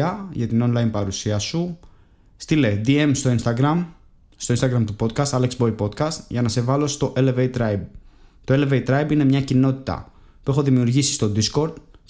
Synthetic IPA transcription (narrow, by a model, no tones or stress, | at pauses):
ɐʝɐt̪ino̞nlɐinpɐɾusiɐsu | st̪ile̞d̪ie̞mst̪o̞inst̪ɐɡɾɐm | st̪o̞inst̪ɐɡɾɐmt̪upo̞t̪̚kɐst̪ɐleksbo̞ipo̞d̪kɐst̪ʝɐnɐse̞vɐlo̞st̪o̞ʔelevejt̪ɾɐib̚t̪o̞e̞leveit̪ɾɐibine̞mɲɐcino̞t̪i̥t̪ɐ̰ | puexo̞ðimiuɾʝisi̥st̪o̞d̪isko̞ɾd̪̥